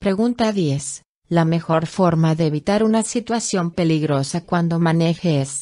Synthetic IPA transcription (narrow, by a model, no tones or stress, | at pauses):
pɾe̞ɣunt̪aðje̞s | lame̞xo̞ɾfo̞ɾmaðe̞ːβit̪aɾunasit̪wasjo̞mpe̞liɣɾo̞sakwand̪o̞mãne̞xes